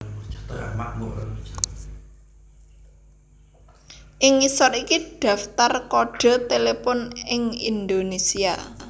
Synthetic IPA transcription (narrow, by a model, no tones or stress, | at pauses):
t͡ʃḁt̪ɔja̰manuat͡ʃḁ | ʔɪŋisɔt̪ikiɖ̥ä̤ft̪arkoɖ̥a̤t̪elepɔnɪŋind̪onesia̰